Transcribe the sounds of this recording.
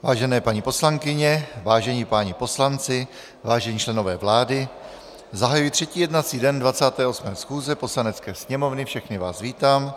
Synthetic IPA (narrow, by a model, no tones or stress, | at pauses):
vaːʒɛnɛːpaɲipo̞slaŋkɪɲɛvaːʒɛɲipaːɲɪpo̞slant͡sɪ | vaːʒɛɲit͡ʃlɛno̞vɛːvlaːdɪ | zaɦajujit̪r̝̥ɛciːjɛdnat͡siːdɛndvat͡saːt̪ɛːʔo̞smɛːsxuːzɛpo̞slanɛt͡skɛːsɲɛmo̞vnɪfʃɛxnɪvaːsviːt̪aːm